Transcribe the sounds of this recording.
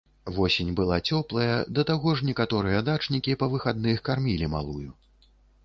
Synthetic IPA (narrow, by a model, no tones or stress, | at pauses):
vɔsʲinʲbɨlˠat͡sʲɔplˠɐjɐd̪ɐt̪aɣɔʐnʲɛkat̪ɔɾɨjɐd̪at͡ʂnʲikʲipɐvɨxad̪nɨxkarmʲilʲima̰lˠuju